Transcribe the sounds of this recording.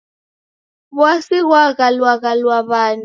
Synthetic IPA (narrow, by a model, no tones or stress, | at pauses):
βwasiɦwaɣalwaɣalwaβaːn